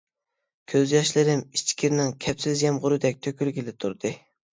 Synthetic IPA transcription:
kʲʰøzjɑʃlˠɨɾɪmit͡ʃkʲʰiɾnɪŋkʲʰɛpsɪzjɛmʁʊɾɨd̪ɛk̚ʲt̪ʰøkʲʰylɡʲilɪt̪ʰuɾd̪ɨ

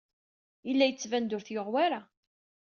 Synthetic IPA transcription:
ilːæjət͡sːvænd̪ʊɾθjoʁwaɾa

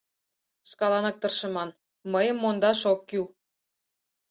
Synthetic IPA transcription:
ʃkɑlɑnɑk̚t̪ɤrʃə̆mɑn | məjəmːond̪ɑʃokːy

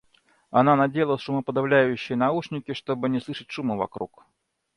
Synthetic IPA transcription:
ananad͡zʲejlˠəsʂumɐpəd̪awlʲajʊɕːɪjnauʂnʲikʲiʂt̪ɔbɨnʲɛslˠɨʂɨtʲʂumɨva̰kɾuk

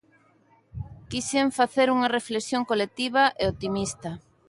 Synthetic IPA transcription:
kiseɱfaθeɾuŋɐreflesjoŋkolek̚t̪iβ̞ɐʔeot̪imist̪ɐ

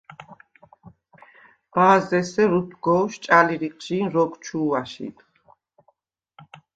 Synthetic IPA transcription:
maːzɛsɛɾup̪ʰɡɔːʃt͡ʃʼaliɾiqʼʒinɾɔɡt͡ʃʰuːaʃḭt̪ʰ

